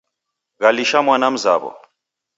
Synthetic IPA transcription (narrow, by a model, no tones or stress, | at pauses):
ɣaliʃamwanam̩za̰βɔ̰